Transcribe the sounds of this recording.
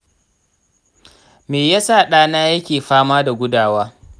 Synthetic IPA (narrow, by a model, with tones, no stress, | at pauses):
meː˨jaː˦saː˦˨ɗaː˦naː˦jɐ˦kʲeː˨ɸaː˦maː˦da˨ɡʷʊ˦daː˨waː˦